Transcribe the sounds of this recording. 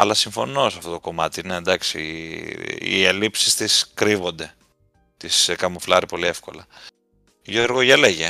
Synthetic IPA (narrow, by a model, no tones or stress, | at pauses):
ɐ̰lɐsiɱfo̞no̞sɐft̪o̞t̪o̞ko̞mɐt̪iined̪ɐksi | ḭelipsist̪iskɾivo̞nd̪e̞ | t̪iskɐmuflɐɾipo̞liefko̞lɐ | ʝoɾɣoʝeleʝe